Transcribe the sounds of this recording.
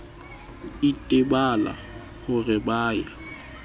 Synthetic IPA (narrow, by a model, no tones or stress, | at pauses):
itʼɪbala̰ | hʊrɪbaːja